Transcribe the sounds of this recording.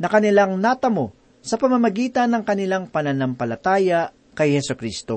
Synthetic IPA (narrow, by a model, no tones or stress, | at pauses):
nɐkɐnɪlaŋnat̪ɐmo̞ | sɐpɐmɐmɐɡiːt̪ɐnːɐŋkɐnɪlaŋpɐnɐnampɐlɐt̪aːja | kɐjhɛsʊkɾist̪o̞